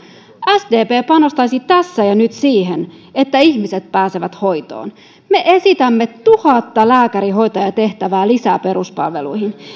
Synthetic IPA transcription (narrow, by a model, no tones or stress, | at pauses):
æsd̪eːpeːpɑno̞st̪ɑjsit̪æsːæjɑnyt̪siːɦene̞t̪ːæiçmise̞t̪̚pæːse̞ʋæt̪ho̞jt̪o̰ːn | me̞ʔe̞sit̪æmːe̞t̪ːuhɑt̪ːɑlæːkæɾiɦo̞jt̪ɑjɑt̪e̞ht̪æʋæːlisæpe̞ɾuspɑ̰lʋe̞̰lṵjhin